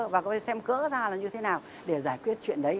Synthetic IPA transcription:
vaː˨˩ksɛ˧mkə̰ː˧˥zaː˧laː˨˩ɲɨ˧t̪ʰe˨˦naː˨˩w | ɗe˧˩zaː˧˩jkwi˦˥ət̚t͡ɕwḭ˧˨ənɗə˨˦j

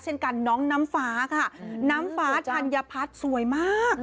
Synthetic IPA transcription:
t͡ɕʰe˥˩nka˧nːɔː˦˥ŋnaː˦˥mfaː˩˦˥kʰa˥˩naː˦˥mfaː˦˥˧a˧nja˧pʰa˦˥t̪̚su˨˩˦əjmaː˥˩k̚

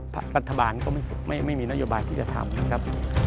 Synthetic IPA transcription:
pʰa̰˦˥ɾa˦˥t̪ʰːa˧baː˧nkɔː˥˩ma˥˩jma˥˩jma˥˩jmiː˧na˦˥ʔjoː˧˩baː˧jt̪ʰiː˥˩t͡ɕa˨˩t̪ʰa̰˧mna˦˧˩kʰɾa˦˥p̚

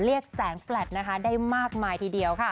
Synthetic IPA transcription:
ɾi˥˩ək̚sɛː˩˦ŋflɛ˨˩t̪̚na˦˥kʰa˦˥daː˥˩jmaː˥˩k̚maː˧jt̪ʰiː˧˩di˧əwkʰa˥˩

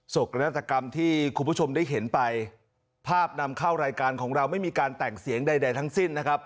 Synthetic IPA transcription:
so˨˩ka˧na˦˥t̪ːa˧ka˧mt̪ʰiː˥˩kʰu˧bʰu˦˥˩t͡ɕʰo˧mdaː˥˩jɦe˩˦npa˧j | pʰaː˥˩p̚na˧mkʰa˥˩wɾaː˧jkaː˧nkʰɔː˩˦ŋɾa˧wma˥˩jmiː˧kaː˧nt̪ɛː˨˩ŋ̚si˩˦əŋda˧jda˧jt̪ʰa˦˥ŋsi˥˩nː˦˥kʰa˦˥p̚

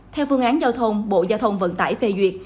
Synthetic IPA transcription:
t̪ʰɛ˧wfɨ˧əŋʔaː˨˦nzaː˧wt̪ʰə˧wŋ͡mɓo̰˧˨zaː˧wt̪ʰə˧wŋ͡mvə̰˧˥nt̪a̰ː˧˩jfe˧zwi˨˩ət̚

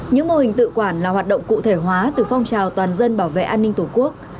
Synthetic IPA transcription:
ɲɨ̰˧˥ŋmo˧hï˨˩ŋ̟t̪ɨ̰˧˨kwaː˧˩nlaː˨˩ɦwaː˨˩t̚ɗə̰˧˨ŋ͡mkṵ˧˨t̪ʰe˧˩ɦwaː˨˦t̪ɨː˨˩fa˧wŋ͡mt͡ɕaː˨˩wt̪waː˨˩nzə˧nɓaː˧˩wvḛ˧˨ʔaː˧nːï˧ŋ̟t̪ʰu˧˩ku˦˥ək̚

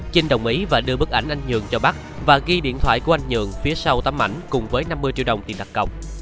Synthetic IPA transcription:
t͡ɕi˧ŋ̟ɗə˨˩wŋ͡mʔi˨˦vaː˨˩ɗɨ˧əɓɨ˦˥k̚ʔa˧˩jŋ̟ʔa˧jŋ̟ɲɨ̰˧˨əŋt͡ɕɔ˧ɓa˦˥k̚vaː˨˩ɣi˧ɗḭ˧˨ənt̪wa̰ː˧˨jku˧˩əʔa˧jŋ̟ɲɨ̰˧˨əŋfi˨˦əsa˧wt̪a˧mːʔa̰˧˩jŋ̟kʊ˨˩ŋ͡mvəː˨˦jna˧mːɨ˧əjt͡ɕḭ˧˥wɗə˨˩wŋ͡mt̪i˨˩ɗa˨˩k̚kə˨˩wk͡p̚

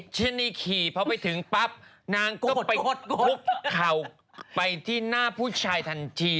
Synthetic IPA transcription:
t͡ɕʰɯ˧˥˩niː˧˩kʰiː˨˩pʰɔ˧˥pa˧jt̪ʰɯ˩˦ŋpa˦˥p̚ | naː˧ŋkɔ˥˩pa˧˦kʰu˦˥p̚kʰa˨˩w | pa˧jt̪ʰiː˥˩naː˥˩pʰuː˥˩t͡ɕʰaː˧jt̪ʰa˧nt͡ɕʰiː˧

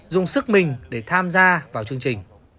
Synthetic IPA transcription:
zʊ˨˩ŋ͡msɨ˦˥k̚mï˨˩ŋ̟ɗe˧˩t̪ʰaː˧mzaː˧vaː˨˩wt͡ɕɨ˧əŋt͡ɕï˨˩ŋ̟

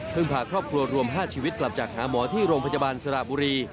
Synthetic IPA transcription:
pʰɯ˥˩ŋpʰaː˧kʰɾɔː˥˩p̚kʰɾu˧ɐɾu˧əmɦaː˥˩t͡ɕʰiː˧wi˦˥t̪̚kla˨˩p̚t͡ɕaː˨˩k̚haː˩˦mɔː˩˦t̪ʰiː˥˩ɾoː˧ŋpʰnja˧ba˧nsa˧ɾa̰˨˩buː˧ɾiː˧

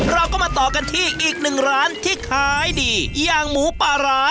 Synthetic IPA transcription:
ɾa˧wkɔː˥˩maː˧t̪ɔː˨˩ka˧nt̪ʰiː˥˩ʔiː˨˩k̚nɯ˨˩ŋɾaː˦˥nt̪ʰiː˥˩kʰaː˦˥jdiː˧jaː˨˩ŋmuː˩˦paː˧˩ɾaː˦˥

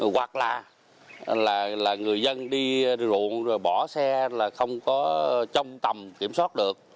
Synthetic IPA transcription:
ɣwa˨˩k̚laː˨˩ | laː˨˩laː˨˩ŋɨ˨˩əjzə˧nɗi˧zṵ˧˨ənzo˨˩jɓɔ˧˩sɛ˧laː˨˩xə˧wŋ͡mkɔ˨˦t͡ɕə˧wŋ͡mt̪ə˨˩mki˧˩əmswaː˦˥t̚ɗɨ˨˩ək̚

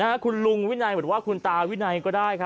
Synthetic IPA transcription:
a˦˥kʰu˧nlu˧ŋwi˥na˧jmɤ˨˩˦n̚waː˥˩kʰu˧nt̪aː˧wi˦˥˩na˧jkɔː˥˩daː˥˩jkʰa˦˥

